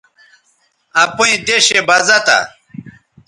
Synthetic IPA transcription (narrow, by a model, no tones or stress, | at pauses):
ɐpuid̪eɕebɐzɐt̪a̰